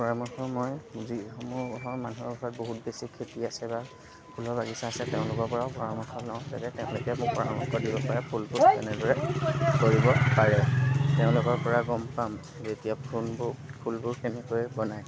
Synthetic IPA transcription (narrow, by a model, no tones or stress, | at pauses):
pɔɹamɔxʰɔmojziɔmʊɦɔɹmanuɦɔbɔsɔt̚boɦut̚besikʰːetiasɛba | pʰulɔɹbaɡisaːsɛtɛʊ̃lʊkɔɹpɔɹaʊpɔɹamɔkʰɔlɔ̃wza̰tɛtɛʊ̃lʊkɛmʊkpɔɹa̰mɔkːɔdibɔpaɹɛpʰulpʊɹkɛ̰nɛdɔɹɛkoɹibɔpaɹɛtɛʊ̃lʊkɔɹpɔɹaɡɔmpam | zetijapʰunbpʰulbʊɹkʰenikojbɔnaj